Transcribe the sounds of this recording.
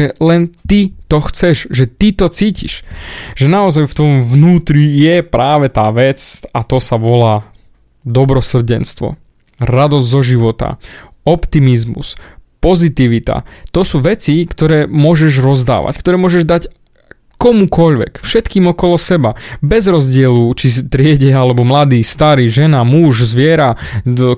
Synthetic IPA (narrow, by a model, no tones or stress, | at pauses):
ɛlɛnt̪it̪ɔxt͡sɛʒʒɛt̪it̪ɔt͡siːcḭʃʒɛnaɔzajft̪ʋɔjɔmʋnuːt̪ɾijɛpɾʔaːʋɛt̪aːʋɛt͡sat̪ɔsaʋɔlaː | d̪ɔbɾɔsr̩ɟɛnst̪ʋɔ̰ | ɾad̪ɔzɟzɔʒiʋɔt̪a̰ | ɔpt̪imizmṵspɔzit̪iʋit̪a̰t̪ɔsuːʋɛt͡sikt̪ɔɾɛːmʊɔʒɛʒɾɔzd̪a̰ːʋa̰ckt̪ɔɾɛːmʊɔʒɛʒd̪ac | kɔmukɔʎʋɛ̰kfʃɛt̪kiːmɔkɔlɔsɛbabɛzɾɔzɟɪɛlut͡ʃit̪ɾɪɛɟɛalɛbɔmlad̪iːst̪aɾiːʒɛnamuʒzʋɪɛɾa